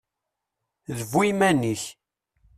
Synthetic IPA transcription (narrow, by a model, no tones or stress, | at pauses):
ðəvujmæniç